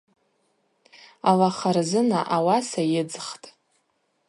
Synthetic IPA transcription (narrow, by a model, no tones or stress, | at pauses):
alaχarzɨnaʔawasajɪd͡zχtʼ